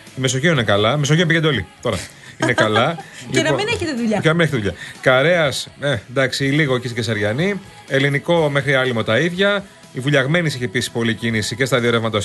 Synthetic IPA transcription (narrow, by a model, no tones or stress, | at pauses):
imeso̞çioninekɐlɐme̞soçinepicend̪o̞lḭt̪o̞ɾɐ̰ | inekɐlɐlinmineçet̪eðuʎɐcenɐmineçet̪ðuʎɐ̰kɐɾe̞ɐsend̪ɐksiiliɣocist̪i̥ces̬ɐɾʝɐni | e̞liniko̞me̞xɾiɐlimot̪ɐiðʝɐ | ivuʎɐɣme̞nisiçepisi̥po̞licinisice̞st̪ɐðio̞ɾevmɐt̪ɐs